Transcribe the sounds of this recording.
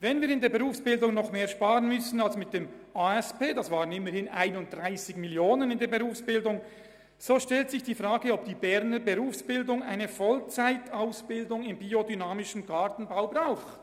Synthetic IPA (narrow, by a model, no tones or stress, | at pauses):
vɛnviːɾɪndeːɐbəʁuːfsb̥ɪldʊŋnɔχmeːɐʃpaːʁənmʏsn̩alsmɪt̚d̥eːm | aːɛspeːdasv̥aːʁənɪməɾhɪnʔa̰ɪnʊnt̚d̥ʁaɪsɪçmɪljoːnənɪndeːɐbəʁuːfsb̥ɪldʊŋ | z̥oːʃtɛltsɪçd̥iːfʁaːɡəɔb̚d̥iːbɛʁnəbəʁuːfsb̥ɪldʊŋaɪnəfɔlt͡saɪtʰaʊsb̥ɪldʊŋɪmbiːodynaːmɪʃn̩ɡaɐtn̩baʊbʁaʊx